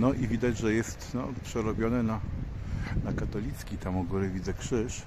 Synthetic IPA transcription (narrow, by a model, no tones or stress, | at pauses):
nɔʔivʲid̪ad͡ʑʐɛjɛst̪nɔ̰pʂɛɾɔbʲjɔnɛna | nakat̪ɔlʲit̪skʲit̪amɔɡulɛvʲid̪zɛkʂɘʂ